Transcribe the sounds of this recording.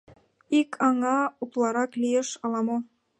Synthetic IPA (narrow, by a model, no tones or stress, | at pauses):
ikʰɑŋɑuklˠɑɾɑklijeʃɑlɑmo